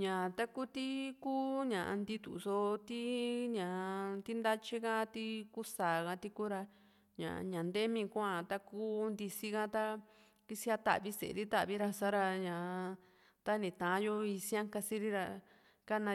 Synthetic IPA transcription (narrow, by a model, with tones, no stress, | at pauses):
ɲã˨t̪a˦ku˦t̪i˦kuː˦ɲã˨ʔa˧nd̪i˧t̪ṵ˨so˧t̪i˦ɲã˨t̪i˦nd̪a˦t͡ʃi˦kã˦t̪i˦ku˦saː˨kã˧t̪i˧ku˦ɾa˧ | ɲã̰˨˧ɲã˨nd̪e˦mĩ˧kʷã˧t̪a˦kuː˦nd̪i˧si˦kã˦t̪a˦ | ki˧si˦a˧t̪a̰˨βi˧sḛ˨˧ɾi˦t̪a˦ʔβi˧˦ɾa˧sa˦ɾa˧ɲã˨ | t̪a˦nĩ˨t̪ã˨˦jo˦i˧sĩ˦ã˦ŋka˧si˦ɾi˦ɾa˧ | ka˦nã˧